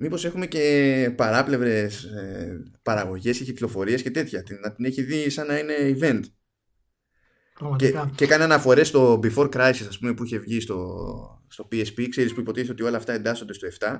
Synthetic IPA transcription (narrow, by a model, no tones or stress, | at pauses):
mipo̞se̞xume̞ce̞pɐɾɐple̞vɾe̞sepɐɾɐɣo̞ʝe̞sceciklo̞fo̞ɾiesce̞t̪e̞t̪çɐt̪inɐt̪ine̞çiðisɐnɐine̞ive̞nt̪ | ɐecekɐneɐnɐfo̞ɾe̞st̪o̞bifo̞ɾkɾɐjsisɐspume̞puiçe̞vʝist̪o̞ | st̪o̞piespikseɾispuipo̞t̪iθeot̪io̞lɐːft̪ɐe̞nd̪ɐsond̪est̪oe̞ft̪ɐ